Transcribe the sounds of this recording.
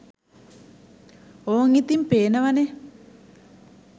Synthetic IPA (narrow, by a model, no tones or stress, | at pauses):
oŋit̪impeːnaʋane